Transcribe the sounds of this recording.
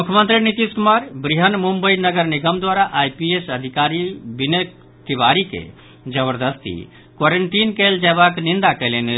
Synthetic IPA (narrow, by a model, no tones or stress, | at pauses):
mukʰəmə̃nt̪ɾinit̪iskumaɾbɾiɦənmumbəinəɡəɾniɡəmd̪waɾaʔajpiesəd̪ʱikaɾibinə | t̪ibaɾikḛ | d͡ʒəbəɾd̪əst̪ḭ | kwaɾəɳʈinkɛld͡ʒɛbaknind̪akɛlene